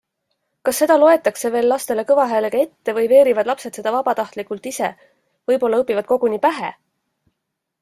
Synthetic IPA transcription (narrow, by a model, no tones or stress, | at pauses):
kɑsːe̞d̪̥ɑlo̞e̞t̪ːˑɑkse̞ve̞ːlːɑst̪e̞le̞kɤvɑɦæːleɡɑe̞t̪ːe̞vɤjve̞ːɾivɑd̪̥lɑpse̞t̪se̞d̪̥ɑvɑb̥ɑt̪ɑht̪likult̪ise̞̰ | vɤjpo̞lːɑɤpːˑivɑd̪̚ko̞ɡ̥unipæɦḛ